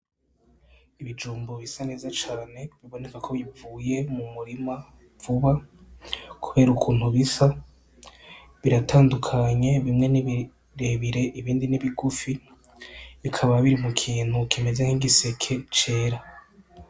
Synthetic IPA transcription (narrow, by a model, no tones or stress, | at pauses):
iβid͡ʒuːmboβisane̞ːzat͡ʃaːne̞βiβo̞ne̞kakʰo̞βivuːje̞mumuɾima | v̥uβa | kʰuβe̞ːɾukʰuːnhuβisa | βiɾataːndukʰaɲe̞βimŋe̞niβi | ɾe̞βiɾe̞ʔiβiːndiniβiɡufi | βikʰaβaβiɾimukʰiːn̥hukeme̞zaŋiɡise̞kʰe̞t͡ʃe̞ːɾa